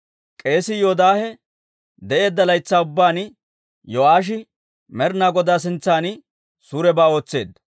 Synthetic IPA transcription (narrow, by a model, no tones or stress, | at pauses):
kʼe̞ːsɪjoːd̪aːhɛ | d̪ɛʔe̞ːd̪ːɐlɐjt͡sːaːʊbːaːnɪ | jɔʔaːʃ̬ɪ | mɛɾnaːɡɔd̪aːs̬ɪnt͡sːaːnɪ | suːɾɛbaːo̞ːt͡sːe̞̰ːd̪ɐ